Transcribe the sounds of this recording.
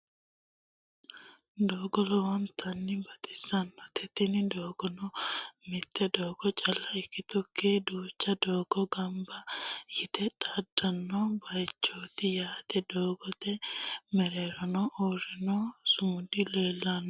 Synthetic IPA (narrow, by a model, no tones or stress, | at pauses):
d̪oːɡɔlɔwɐnt̪ʰɐnːɪbɐt̪ʼɪ̥sɐnːɔt̪ʰɛt̪ɪnɪd̪oːɡ̥ɔnɔmɪt̪ʰːɛd̪oːɡ̥ɔt͡ʃʼɐlːɐɪkːɪt̪ɔkːeːd̪uːt͡ʃːɐd̪oːɡ̥ɔɡɐmbɐjɪt̪ɛt̪ʼɐdːɐnːɔbɐjt͡ʃːoːt̪ɪjaːt̪ɛd̪oːɡɔt̪ɛmɛɾeːɾɔnɔʔɔːrɪnɔsʊmʊd̪ɪle̞ːlːɐnːɔ